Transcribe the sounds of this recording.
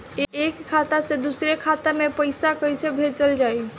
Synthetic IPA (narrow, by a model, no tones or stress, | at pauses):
eekkʰːat̪asẽd̪usɾekʰat̪amepəjsakəjsebʱet͡ʃəld͡ʒaj